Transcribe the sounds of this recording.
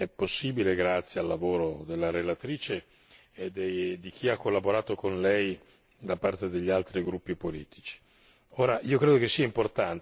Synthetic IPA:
ɛpːosːiːbileɡɾat̪sːjealːavoːɾod̪elːaɾelat̪ɾiːt͡ʃe | d̪ed̪ik̟iakːolːaboɾaːt̪okonlɛj | d̪apart̪ed̪eʎːialt̪ɾiɡɾupːipolḭːt̪ʰi̥t͡ʃi̥ | oːɾaʔiːokɾeːd̪okesːiaimport̪ant̪

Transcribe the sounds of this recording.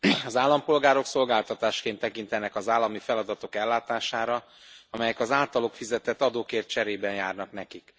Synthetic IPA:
ɒzaːlːɒmpo̞lɡaːɾo̞kso̞lɡaːlt̪ɒt̪aːʃkeːnt̪ːɛkint̪ɛnɛkɒzaːlːɒmifɛlɒd̪ɒt̪o̞kɛlːaːt̪aːʃaːɾɒ | ɒmɛjɛkɒzaːlt̪ɒlo̞kfizɛt̪ɛt̪ːɒd̪oːkeːrt̪t͡ʃɛɾeːbɛnjaːrnɒknɛkik

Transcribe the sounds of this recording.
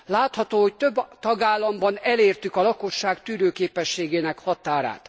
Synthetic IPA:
laːt̪hɒt̪oːhoct̪øbːt̪ɒɡaːlːɒmbɒnɛleːrt̪ykɒlɒko̞ʃːaːkt̪yːɾøːkeːpɛʃːeːɡeːnɛkhɒt̪aːɾa̰ːt̪

